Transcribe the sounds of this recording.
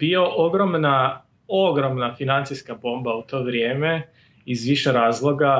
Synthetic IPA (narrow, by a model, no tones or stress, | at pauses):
bio̞ʔoɡɾomna | oɡɾo̞mnafinant̪siskabo̞ːmbaut̪o̞ːʋɾjeːme | izʋiʃeɾaːzlˠo̞ɡa